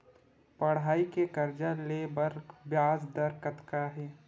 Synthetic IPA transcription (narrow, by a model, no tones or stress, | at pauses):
pɐɽ̤aːikekɐɾd͡ʒalebəɾbjaːzd̪ɐɾkət̪kaɦɛː